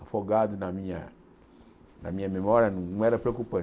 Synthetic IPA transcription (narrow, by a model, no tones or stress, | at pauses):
fɔɡadnãmĩa̰ | nã̰mĩamemɔɾianũŋɛɾɛpɾekupɛ